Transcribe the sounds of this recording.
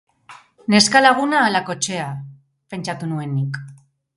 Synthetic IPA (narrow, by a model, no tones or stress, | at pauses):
ne̞skalaɣ̞unaːlako̞t͡ʃe̞a | pe̞nt͡ʃat̪unue̞nik